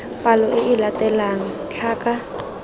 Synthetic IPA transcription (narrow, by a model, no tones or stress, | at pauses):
pʼalɔʔɪʔɪlatʼɛlaŋ̩t͡ɬʰaːkʼa